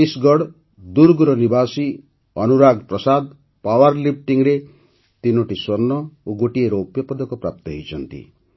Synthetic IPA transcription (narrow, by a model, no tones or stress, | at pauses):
isɡɔɽ | d̪uɾɡɾɔnibasi | ɔnuɾaɡpɾɔsad̪ | pawaɾlip̚ʈiŋɾe | t̪inoʈiswɔɾnɔoɡoʈieɾɔupjɔpɔd̪ɔkɔpɾa̰p̚t̪ɔɦḛjt͡ʃʰʌnt̪ḭ